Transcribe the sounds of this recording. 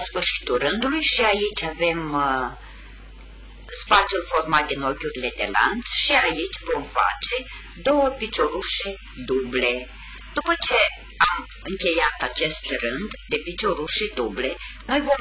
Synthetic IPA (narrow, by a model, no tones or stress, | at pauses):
asfɨrʃi̥t̪urɨnd̪ulujʃiait͡ʃʲave̞m | spat̪sijulfo̞rmat̪̚d̪ino̞kʲuɾile̞d̪e̞̰la̰nt̪sʃiait͡ʃʲvo̞mfa̰t͡ʃe̞ | d̪o̞wəpit͡ʃo̞ɾuʃe | d̪uble̞ | d̪̥upət͡ʃe̞ | am | ɨŋkʲe̞jat̪at͡ʃe̞st̪rɨnd̪d̪e̞pit͡ʃo̞ɾuʃed̪uble̞no̞jvo̞m